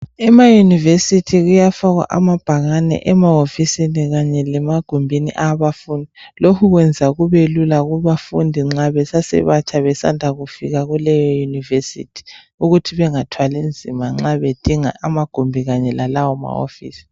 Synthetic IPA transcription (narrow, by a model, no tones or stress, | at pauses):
ɛmajunivesitʰiɣujafaɣwa̰ʔamab̥ʱaɣanɛ̰ʔɛmaofisiniɣaɲɛlɛmaɡ̥ʱumbʱinḭʔaβafundʱilokʰuɣwɛnd͡zʱaɣuβelulaɣuβafundʱiŋ͡ǁaβɛsasɛ̰βat͡ʃʰaβɛsa̰ndʱaɣufiɣaɣulɛjɔjunivesḭtʰi̥ | uɣutʰiβɛŋatʰwalind͡zʱimaŋ͡ǁaβed̥ʱiŋa̰ʔamaɡ̥ʱumbʱiɣaɲɛlalawɔma̰o̰fḭːsi̥